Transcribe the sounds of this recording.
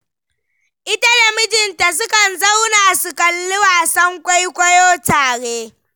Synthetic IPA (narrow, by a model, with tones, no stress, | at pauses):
ʔɪ˦ta˦da˨mɪ˦d͡ʒɪ˨nta˨s̬ʊ˦kɐ˨nza˦wnaː˨sʊ˨kɐ˨lːʊ˦waː˨sɐ˦ŋkʷʼa˦jkʷɐ˦joː˦taː˨ɽeː˦